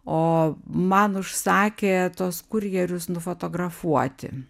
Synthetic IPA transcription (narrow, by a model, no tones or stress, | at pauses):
oːmɐnʊʃsɑːkʲeːt̪uɔskʊɾʲjɛɾʲʊsnʊfoːt̪oːɡrɐfuɔt̪ʲɪ̰